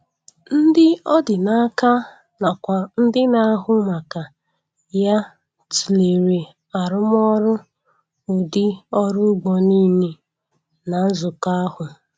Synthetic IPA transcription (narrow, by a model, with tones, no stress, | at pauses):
n̩˦dɪ˦ɔ˦dɪ˨na˦ka˦ | na˨kʷa˨n̩˦dɪ˦na˨˦ɦʊ˦ma˨ka˨ | ja˦ | ti˨le˨ɾe˨ | a˨ɾʊ˦m˦ɔ˦ɾʊ˦ | ʊ˨dɪ˦ɔ˦ɾʊ˦ɡ͡bɔ˨ni˦ne˨ | na˨n̩˦zʊ˨ka˦hʊ˨